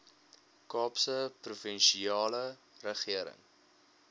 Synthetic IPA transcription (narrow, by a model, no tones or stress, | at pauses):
kɑːpsəprufənʃiɑːlə | rəχiəɾə̰ŋ